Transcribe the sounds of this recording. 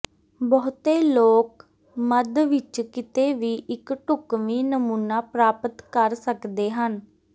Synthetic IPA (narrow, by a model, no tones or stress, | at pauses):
bəːt̪eːloːk | məd̪ʋɪt͡ʃkɪt̪eːʋiːʔɪkʈʊkʋiːnəmuːnaːpɾaːpət̪kəɾsəkd̪eːɦən